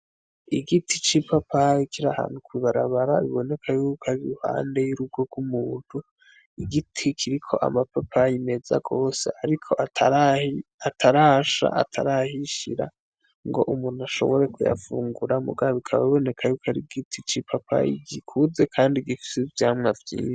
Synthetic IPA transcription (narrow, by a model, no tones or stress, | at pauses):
iɡitʰit͡ʃipapʰaikiɾaha̰ːnhukwiβaɾaβaɾaβḭβo̞ne̞kʰajuːkʰaɾiuha̰ːnde̞juɾub̚ɡoɡumuːn̥hu | iɡitʰikʰiɾikʰo̞̰ʔa̰mapapʰajime̞za̰ɡo̞ːse̞̰aɾikʰo̞ʔatʰaɾahiatʰaɾaʃa̰a̰tʰa̰ɾahiʃiɾa̰ | ŋɡo̞̰ʔumuːnuaʃo̞̰βo̞ɾe̞kuja̰fuːŋɡuɾamṵɡaβikʰaβa̰βiβo̞ne̞kʰajukaɾiɡitʰit͡ʃipʰapʰa̰ḭɡikʰuze̞kʰaːndiɡifi̥sivjaːmŋavjḭːnʃ